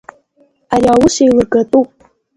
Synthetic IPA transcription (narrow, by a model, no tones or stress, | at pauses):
ariawʊsejlɨrɡatʼupʼ